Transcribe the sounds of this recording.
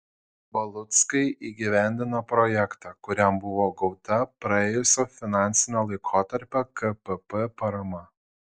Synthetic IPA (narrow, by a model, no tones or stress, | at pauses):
bɐlˠʊt̪skɐɪʔiːɡʲiʋʲæˑnʲd̪ʲɪnopɾɔjɛkt̪ɑːkʊɾʲɛmbʊʋoːɡɒʊt̪ɐpɾɐeːjʊsʲofʲɪnɑˑnʲsʲɪnʲoːlˠɐɪkʰoːt̪ɐɾʲpʲɛkɐpɛpɛpɐɾɐmɐ